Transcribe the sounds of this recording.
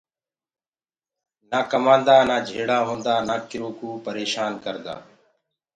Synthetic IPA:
naːkəmãːnd̪aːnaːd͡ʒʱeːɽaːɦõːnd̪aːnaːkɪɾoːkuːpəɾeːʃaːnkəɾd̪a̰ː

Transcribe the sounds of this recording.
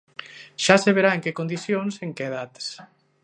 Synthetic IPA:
ʃaseβ̞eɾaeŋkekond̪isjonseŋkeðat̪s

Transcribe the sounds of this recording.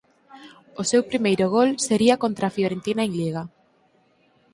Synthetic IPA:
ʊsewpɾimejɾʊɣ̞olseɾiɐkont̪ɾafljoɾent̪inaeŋliɣa

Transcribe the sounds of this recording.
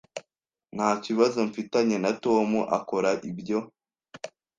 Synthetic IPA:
n̥haːciβazo̞ɱfitaɲe̞nato̞ːmuʔako̞ɾaʔibɟo̞

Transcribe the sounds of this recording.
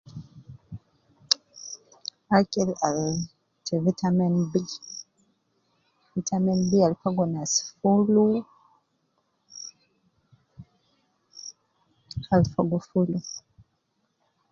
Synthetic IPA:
akʼɛlal | tɛvitʰamɛnbi | vitʰamɛnbialfaɡɔnasfulu | alfaɡɔfulu

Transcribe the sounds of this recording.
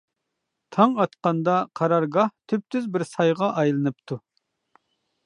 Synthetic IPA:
t̪ʰɑŋɑt̪qɑnd̪ɑqʰɑɾɑɾɡɑht̪ʰyp̚t̪ʰyzbɪɾsɑjʁɑʔɑjlˠɨnɨp̚t̪ʰu

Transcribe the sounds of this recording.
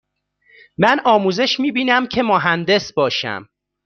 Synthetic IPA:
mænʔɒːmuːze̞ʃmiːbiːnæmcʰe̞moɦænd̪e̞sbɒːʃæ̰m

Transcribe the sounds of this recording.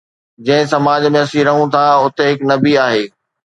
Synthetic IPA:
d͡ʑɐ̃ɦɪ̃sɐmaːd͡ʑmẽɐsĩɾɐɦũt̪ʰaʊt̪eɦɪknɐbiaːɦeː

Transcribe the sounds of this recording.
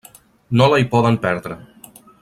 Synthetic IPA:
nolajpɔðəmpɛɾðɾə

